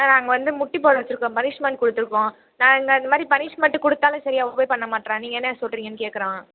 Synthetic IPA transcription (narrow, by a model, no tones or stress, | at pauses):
naːnaːŋɡɐʋɐnd̪ɯmʊʈːip̬oːɾɐʋɐt͡ʃːɪɾɯkːõːpɐnɪʂmɛɳʈ̚kɔɽɯt̪ːɯɾɯkːõː | nãːɛŋɡɐɐnd̪ɐmaːd̪ɾipɐnɪʂmɛɳʈɯkɔɽɯt̪ːaːlʊ̃sɐɾɪjaːopoːjpɐɳːɐmaːʈːɾẽːniːŋɡɐɛnːɐsɔlɾiːŋɡɐnːɯkeːʈkɐɾãː